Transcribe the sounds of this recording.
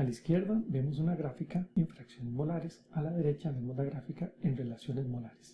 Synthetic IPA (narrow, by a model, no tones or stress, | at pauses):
alaiskje̞ɾðabe̞mo̞s̬unaɣɾafikaiɱfɾaksjo̞nezmo̞laɾesalaðe̞ɾe̞t͡ʃaðemoðaɣɾafikaenre̞lasjo̞ne̞zmo̞laɾe̥s